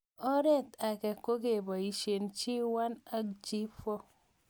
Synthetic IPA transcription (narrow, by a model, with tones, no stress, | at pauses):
ɔ˦ɾe˦˨ta˨ke˨ko˦ke˨ba˨i˨ʃe˨nt͡ʃi˦wa˦na˦kd͡ʒi˦fɔ˦